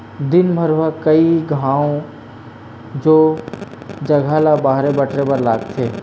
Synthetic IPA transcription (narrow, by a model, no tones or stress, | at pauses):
d̪ɪnbʱɐɾʋakɐiɡʱãːõ | d͡ʒoː | d͡ʒɐɡʱaːlabaːɦɾebɐʈɾepɐɾlaːɡt̪ʰeː